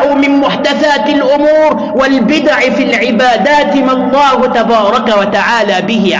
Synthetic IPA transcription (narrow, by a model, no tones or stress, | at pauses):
ʕumɪnmʊħd̪aθaːt̪alʔʊmuːɾ | walbɪd̪aʕfiːlʕɪbaːd̪aːt̪malˤːɑːhʊt̪abɑːɾˤɑkawat̪aʕaːlaːbɪɦɪʕ